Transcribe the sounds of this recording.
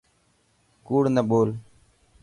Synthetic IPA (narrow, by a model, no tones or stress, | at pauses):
kuːɽnəɓoːl